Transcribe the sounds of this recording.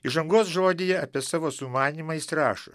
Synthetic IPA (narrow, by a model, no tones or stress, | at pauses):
ɪʒɐŋɡoːsʒoːd̪ʲejɛɐpʲiɛsɑːʋoːsʊmɑːnʲiːmɐɪsɾɑːʃɐ̰